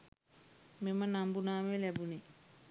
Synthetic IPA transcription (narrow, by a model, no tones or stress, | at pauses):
mimɐnambunaːmelɛbuni